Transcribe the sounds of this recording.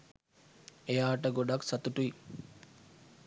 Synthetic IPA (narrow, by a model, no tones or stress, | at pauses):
ejaːʈəɡoɖaksat̪uʈui